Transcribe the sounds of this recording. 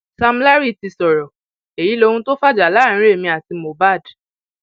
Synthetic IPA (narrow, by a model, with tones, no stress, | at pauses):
sa˧m˦la˦ɾi˦ti˨˧sɔ˨ɾɔ˨ | e˨ji˨˦lo˧hũ˧to˦fa˦d͡ʒa˨lã˨˦˨ĩ˦ɾe˦˨mĩ˧a˨ti˧mo˨ba˦˨d